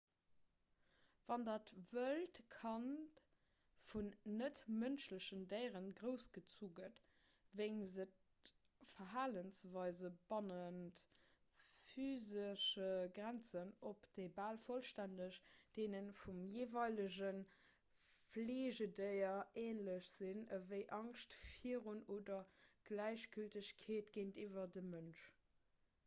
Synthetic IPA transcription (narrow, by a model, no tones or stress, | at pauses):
vɑndaːtvəltkʰɑn | funːətmənʃləɕəndəɪʁənɡʁəʊsɡ̥ət͡suːɡət | veɪnzət | fɐɦaːlənsvɑɪzəb̥ɑnənt | fyːzəʃəɡʁænt͡sənopd̥eɪbaːlfolʃtændəʃd̥eːnənfumjeːvɑɪləʑən | fleːʑədəɪɐeːnləɕz̥inəvəɪʔɑŋʃtfiəʁunoːdɐɡ̥læɪɕɡ̥yltəɕkʰeːtɡ̥eːntiːvɐdəmənʃ